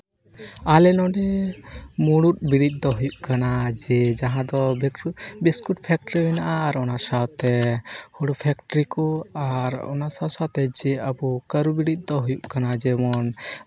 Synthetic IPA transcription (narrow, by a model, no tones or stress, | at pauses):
alɛnɔ̃ɖɛ | muɽut̪̚biɽit̪̚ˀd̪ɔɦujuʔkanad͡ʒɛd͡ʒaɦãd̪ɔ | biskuʈ̚pʰɛk̚ʈɾibɛnaʔaɾɔnasawt̪ɛhuɽupʰɛkʈɾikɔaɾɔ̰nasasat̪ɛd͡ʒɛəbukəɾubiɽit̪̚ˀd̪ɔɦujuʔkanad͡ʒɛmɔn